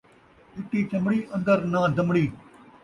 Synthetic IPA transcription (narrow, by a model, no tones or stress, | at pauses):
ɪʈ̪ːiːt͡ʃəmɽiːʔə̃nd̪əɾnãːd̪əmɽiː